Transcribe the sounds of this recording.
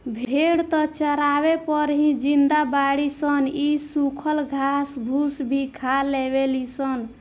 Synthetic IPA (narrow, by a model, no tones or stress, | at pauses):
bʱeɽt̪ɔt͡ʃəɾaβepəɾɦĩd͡ʒind̪abaɽisənisukʰəlɡʱasbʱusbʱikʰaleβelisən